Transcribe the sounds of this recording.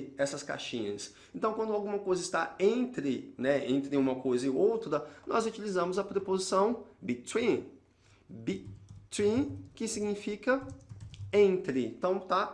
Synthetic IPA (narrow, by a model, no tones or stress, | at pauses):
ɛsɐska̰ʃĩɲɐs | ẽnt̪ɐ̃w̃kwɐ̃nd̪ʊawɡũmɐkojzɐɪst̪aẽnt̪ɾɪnɛẽnt̪ɾɪũmɐkojzɐɪowt̪ɾɐnʔɔzut͡ʃilizɐ̃mʊzɐpɾepozisɐ̃w̃bit̪wĩ | bit̪ĩkɪsiɡnifikɐ | ẽnt̪ɾɪḛ̃t̪ɐ̃w̃t̪a